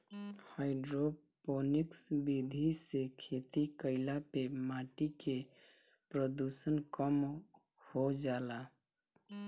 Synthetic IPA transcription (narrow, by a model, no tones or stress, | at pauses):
haɪɖɾo | poniksbid̪ʱisekʰet̪ikəɪlapemaʈike | pɾəd̪usənkəm | hod͡ʒala